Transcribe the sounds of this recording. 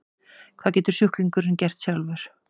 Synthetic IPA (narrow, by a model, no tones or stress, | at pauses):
kʰvaːðcɛːt̪ʏɾ̥sʏhkliŋkʏɾɪncɛr̥t̪sjalvɛɾ̥